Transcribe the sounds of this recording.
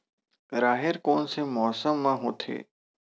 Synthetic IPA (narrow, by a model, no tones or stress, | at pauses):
ɾaːɦɪɾkoːnsemɔːsəmːãːɦoːt̪ʰḛː